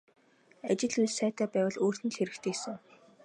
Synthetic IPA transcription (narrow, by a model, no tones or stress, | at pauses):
at͡ɕɪ̆ɮujsæːt̪æːpæːwə̆ɮoːr̥t̪ɘ̆nɮxeɾɘ̆kt̪ʰeːsɘ̆ŋ